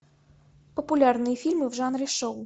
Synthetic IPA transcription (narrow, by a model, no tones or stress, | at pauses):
pɐpulʲarnɨjɐfʲilʲmɨvʐanɾʲɪʂɔw